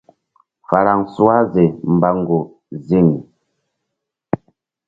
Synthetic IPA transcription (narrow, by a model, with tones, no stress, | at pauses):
fa˨ɾa˨ŋsu˦a˦ze˨m̩˨ba˨ŋɡo˨ | zi˦˨ŋ˨